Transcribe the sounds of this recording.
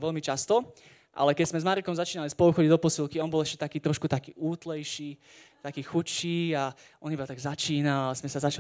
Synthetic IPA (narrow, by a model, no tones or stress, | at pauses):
ʋɛlmit͡ʃast̪ɔ | ʔa̰lɛkɛczmɛzmaɾit̪kɔmzat͡ʃiːnalispɔlˠuxɔɟiɟd̪ɔpɔsilˠkiaɔnbɔlɛʃcɛt̪akiːt̪ɾɔʃkut̪aki̥ːʔuːt̪lɛjʃiː | t̪akiːxut͡ʃːiːaʔɔnibat̪aɡzat͡ʃiːnalazmɛsazat͡ʃa